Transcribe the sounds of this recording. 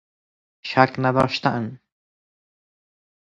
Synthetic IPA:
ʃaknad̪ɔːʃt̪aʔan

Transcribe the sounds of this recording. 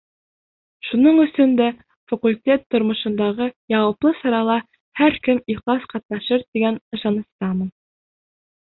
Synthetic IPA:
ʃunɤɴɵ̆sɵnd̪æ | fɐkulʲt̪ʲet̪ːŏɾmɤ̆ʃɤ̆nd̪ɑʁɤjɑwɤ̆plˠɤsɑɾɑlˠɑ | hæɾkɘmiχlˠɑsqɑt̪̚nɑʃɤɾt̪iɡænɤ̆ʃɑnɤ̆st̪ɑmɤ̆n

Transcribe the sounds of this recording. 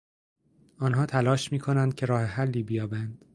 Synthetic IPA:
ɒːnɦɒːt̪ʰælɒːʃmiːkʰo̞nænd̪̥̚kcʰe̞ɾɒːheɦælːiːbijɒːbænd̪̥

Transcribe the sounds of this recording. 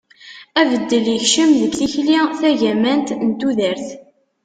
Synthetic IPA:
ævəd̪ːəliçʃəmðəkθiçliθæʝæmænt̪nt̪uðəɾθ

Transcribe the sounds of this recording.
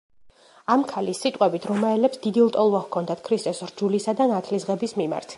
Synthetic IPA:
amkʰalisːit̪ʼqʼwɛbit̪ʰɾɔmaɛlɛpsd̪id̪ilˠt̪ʼɔlˠvavkʰɔnd̪at̪ʰkʰɾist̪ʼɔsɾd͡ʒulisad̪anat̪ʰlisʁɛbismima̰ɾt̪ʰ

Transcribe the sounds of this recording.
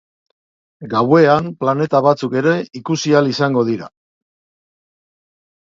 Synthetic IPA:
ɡawe̞amplane̞t̪aβ̞at͡suke̞ɾe̞ikusialisaŋɡo̞ð̞iɾa

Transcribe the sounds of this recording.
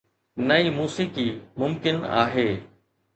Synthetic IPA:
nəiːmuːsiːkiːmʊmkɪna̰ːɦeː

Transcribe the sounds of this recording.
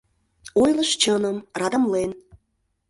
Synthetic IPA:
ojləʃt͡ɕənəmrɑd̪ə̆mlen

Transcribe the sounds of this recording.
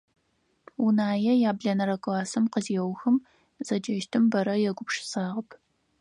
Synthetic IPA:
unaːjɛjaːbɮɐnɐɾɐkʷʼaːsɐmqəziɛwxɨm | zɐd͡ʒɐʃtʰɨmbɐɾɐjɛɡʷʊpʂɪ̥saːʁəpʰ

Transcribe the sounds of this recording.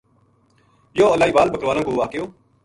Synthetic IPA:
joːəlaːiːbaːlbəkəɾʋaːlãkoːʋaːkɪjoː

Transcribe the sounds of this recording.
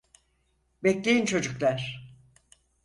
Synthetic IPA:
bɛclʲejint͡ʃʰo̞d͡ʒuklʲˠæɾ̥

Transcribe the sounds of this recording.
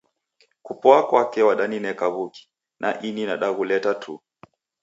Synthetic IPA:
kupɔakwakɛwaɗaninɛkaβuki̥ | nʔaʔininaɗaɣulɛtatʰṵ

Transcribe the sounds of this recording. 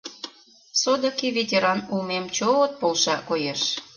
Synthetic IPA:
sod̪ə̆kivʲetʲeɾɑnulmemt͡ɕoot̪̚polʃɑkojeʃ

